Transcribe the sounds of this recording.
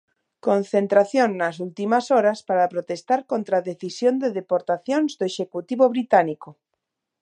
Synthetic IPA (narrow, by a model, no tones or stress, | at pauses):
kon̟θent̪ɾaθjoŋːas̬ult̪imasoɾaspaɾapɾot̪est̪aɾkont̪ɾaðeθisjond̪eðepoɾt̪aθjonzd̪oeʃekut̪iβoβɾit̪aniko